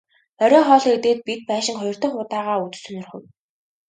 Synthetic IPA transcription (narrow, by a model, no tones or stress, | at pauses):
œɾʲɔːχɔːɮɞ̆ːet̪eːt̪̚pit̪̚pæːʃɪ̆ŋχɔjɞr̥t̪ə̆ɴχʊt̪aːʁaːut͡s̪̆sɵ̆nɵ̆rχɵ̆w